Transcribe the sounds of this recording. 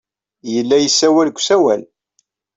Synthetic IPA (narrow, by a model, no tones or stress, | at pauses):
jəlːæjəsːæwælɡʷsæwæ̰l